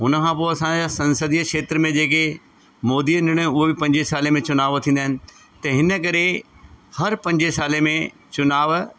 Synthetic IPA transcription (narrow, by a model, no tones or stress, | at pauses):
ɦʊnəkʰãpoːɐsãd͡ʑasɐ̃nsəd̪iəkʃeːt̪ɾəmẽd͡ʑeːk̬e | moːd̪iːənɪɽ̃əʊɦebɪpɐ̃ɲd͡ʑesaːlemẽt͡ɕʊnaːʋt̪ʰĩːnd̪aːɦɪnɪ̆ | t̪ɐɦɪnə̆k̬ɐɾehɐɾpɐ̃ɲd͡ʑesaːlemẽ | t͡ɕʊnaːʋ